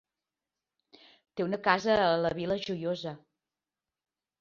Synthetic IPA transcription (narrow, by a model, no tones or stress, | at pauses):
t̪eunəkazəːləβiləʒujozə